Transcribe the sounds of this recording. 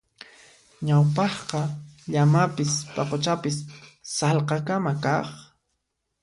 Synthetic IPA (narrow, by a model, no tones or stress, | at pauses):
ɲawpɑχqɑʎamapɪspɑqot͡ʃapɪsːɑlqɑkamakɑχ